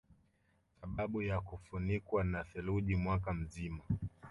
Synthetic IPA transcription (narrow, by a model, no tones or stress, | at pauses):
θaɓaɓujakufunikwanaθɛluʄimwakam̩zima